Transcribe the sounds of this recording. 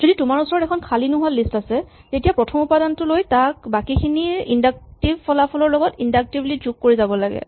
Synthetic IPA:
zoditʊmaɹusɔɹɔtɛkʰɔnkʰalinʊɦualistasɛ | tetijapɹɔtʰɔmupadantʊlojtak̚bakikʰiniindak̚tibpɔlapʰɔlɔɹlɔɡɔtindak̚tiblizukkoɹizabɔlaɡɛ̰

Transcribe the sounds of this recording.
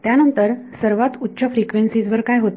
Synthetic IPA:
t̪janənt̪əɾ | səɾʋat̪utːɕʰəfɾikʋensid͡zʋəɾkajɦot̪

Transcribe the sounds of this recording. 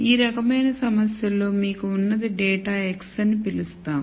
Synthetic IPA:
iːɾɐkɐmɐjnɐsɐmɐsjɐlo̞ːmiːkuːnːɐd̪iɖɛːʈaːeksɐnipilust̪aːm

